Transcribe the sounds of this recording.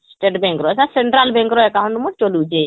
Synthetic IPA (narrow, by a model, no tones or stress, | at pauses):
sʈeʈbeŋkɾɔsãseɳʈɾalbeŋkɾɔekaɦunumut͡ʃolud͡ʒe